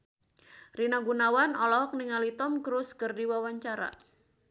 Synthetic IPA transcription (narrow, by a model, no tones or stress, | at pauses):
rinaɡunawanɔlɔɔk̚niŋalit̪ɔmkɾuskərdiwawaɲt͡ʃaɾa̰